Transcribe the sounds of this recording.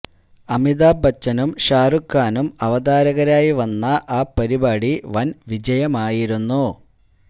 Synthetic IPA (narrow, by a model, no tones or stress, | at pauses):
ɐmiðaːbʱɐt͡ɕːɐnumɕaːrukːaːnumɐʋɐd̪aːɾɐɣɐɾaːjiʋɐnːɐʔaːpɐɾibaːɽiʋɐnʋid͡ʑɐjɐmaːjiɾunːu